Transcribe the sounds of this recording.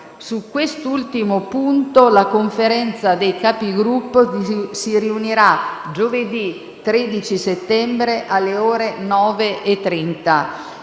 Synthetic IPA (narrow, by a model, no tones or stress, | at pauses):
sukːwest̪oult̪imopunt̪olakoɱfeɾɛnt̪sad̪ejkaːpiɡɾupːosiɾiuniɾad͡ʒoved̪i | t̪ɾed̪it͡ʃiset̪ːɛmbɾeʔalːeoːɾenɔːveʔːt̪ːɾɛnt̪a